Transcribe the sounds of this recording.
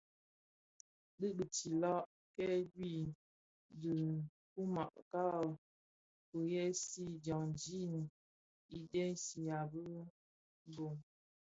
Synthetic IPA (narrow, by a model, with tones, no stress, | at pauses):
ɗɨ˦bə˨ti˨lɔ˦ʔ | kɛ˦dwi˦˨ | də˨ | ku˦ma̰˨ʔka˦˨ | ku˨jɛ˦si˦d͡ʒɔ˨ŋd͡ʒi˦n˨ | i˦dɛ˦si˨a˨bə˦ | bo˨ŋ